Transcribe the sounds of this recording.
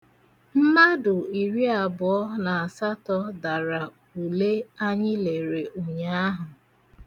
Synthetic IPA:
m̩˦ma˦dʊ˨i˨ɾi˦a˨bʊ˨ɔ˦na˨a˨sa˦tɔ˦da˨ɾa˨ | u˨le˦a˦ɲɪ˦le˨ɾe˨o˨ɲa˦a˦ɦʊ˨

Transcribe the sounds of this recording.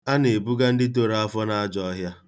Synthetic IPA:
a˦ne˨bu˦ɡa˦n̩˦dɪ˦to˨ɾa˦a˦fɔ˦na˦a˦d͡ʒɔ˦ɦja˦

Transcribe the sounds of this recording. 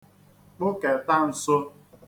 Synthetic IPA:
k͡pʊ˦ke˨ta˦n̩˨so˦

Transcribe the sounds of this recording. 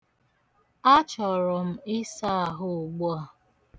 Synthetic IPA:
a˦t͡ʃɔ˨ɾɔ˨m̩˦ɪ˦sa˦˨ɦʊ˦˨ɡ͡bu˦a˦˨

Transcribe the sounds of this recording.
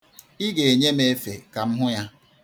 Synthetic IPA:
i˦ɡe˨e˨ɲe˦me˦fe˨ka˨m̩˦ɦʊ˦ja˦

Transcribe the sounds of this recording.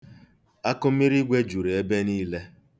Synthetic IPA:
a˦kʊ˦mi˦ɾi˦ɡʷe˦d͡ʒu˨ɾe˨e˦be˦niː˦le˦

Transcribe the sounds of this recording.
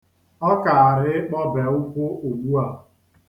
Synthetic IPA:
ɔ˦ka˨a˨ɾɪ˦k͡pɔ˦be˨ʊ˦kʷʊ˦ʔo˨ɡ͡bu˦a˦

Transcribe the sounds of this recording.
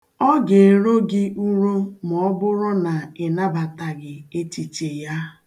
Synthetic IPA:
ɔ˦ɡe˨ɾo˦ɡɪ˦ʔu˦ɾo˦m˨ɔ˦bʊ˦ɾʊ˦na˨ɪ˨na˦ba˨ta˨ɡɪ˨e˦ti˨t͡ʃe˨ja˦

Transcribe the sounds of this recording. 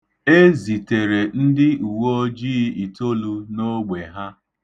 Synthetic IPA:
e˦zi˨te˨ɾe˨n̩˦dɪ˦u˨wo˦d͡ʒiː˦i˨to˦lu˦no˦ɡ͡be˨ɦa˦

